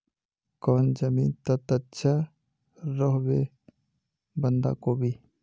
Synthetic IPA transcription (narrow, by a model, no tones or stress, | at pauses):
kɔːnd͡ʒəmiːnt̪ət̪ətːʃʰa | ɾɔɦbe | bənd̪a̰koːbʱi